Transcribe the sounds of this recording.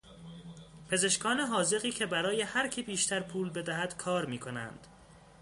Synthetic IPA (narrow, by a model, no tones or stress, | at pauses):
pʰe̞ze̞ʃkʰɒːneɦɒːze̞ɣiːcʰe̞bæɾɒːje̞hæɾcʰibiːʃt̪ʰæɾpʰuːlbe̞d̪æɦæd̪̥kʰɒːɾmiːkʰo̞næ̰nd̪̥